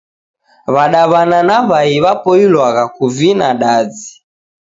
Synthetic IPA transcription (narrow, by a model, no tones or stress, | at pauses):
βaɗaβananaβaiβapɔilwaɣakuvinaɗad͡zi